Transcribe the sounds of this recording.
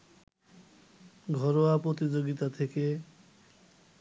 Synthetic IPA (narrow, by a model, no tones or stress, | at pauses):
ɡʱɔɾoapɾot̪id͡ʑoɡit̪at̪ʰeke